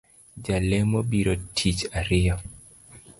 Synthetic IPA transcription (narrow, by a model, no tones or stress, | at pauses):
d͡ʒalɛmobiɾotʰit͡ʃaɾɪɔ